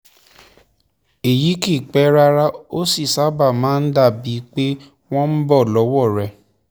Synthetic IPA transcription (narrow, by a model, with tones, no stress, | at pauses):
e˨ji˨˦ki˦˨k͡pɛ˨˦ɾa˦ɾa˦o˦si˦˨sa˨˦ba˦˨mãː˨˦n̩˦da˦˨bi˨˦k͡pe˦ | w̃ɔ̃˦n̩˦bɔ˦˨lɔ˨˦wɔ˦˨ɾɛ˨˧˦